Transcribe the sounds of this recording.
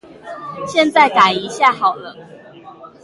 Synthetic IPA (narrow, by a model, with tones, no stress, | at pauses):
ɕjɛ˥˧nt͡sa˥˩ɪka˨˩ɪi˧˦ɕja˥˨xɑ˨˩ʊlə˦